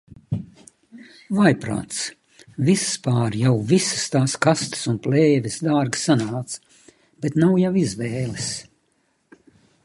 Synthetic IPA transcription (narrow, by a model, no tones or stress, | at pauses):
vajpɾa̰ːt̪s | vispaːɾjawvisə̥st̪aːskast̪ə̥sunplɛːvʲisd̪aːɾɡsanaːt̪s | bet̪nawjawizvɛːlis